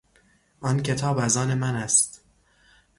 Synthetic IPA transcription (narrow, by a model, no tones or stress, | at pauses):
ʔɒncʰe̞t̪ʰɒːbæzɒːne̞mænæst̪